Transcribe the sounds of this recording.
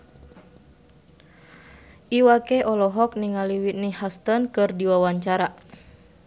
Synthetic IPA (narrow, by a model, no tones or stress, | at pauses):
ʔiwakeʔɔlɔɦɔk̚niŋaliwit̪̚nihast̪ənkɨrdiwawaɲt͡ʃaɾa